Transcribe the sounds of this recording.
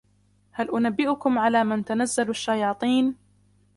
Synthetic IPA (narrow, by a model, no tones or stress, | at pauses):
halʔʊnabːɪʔʊkʊmʕalaːmɪnt̪anazːalaʃːajɑːt̪ˤiːn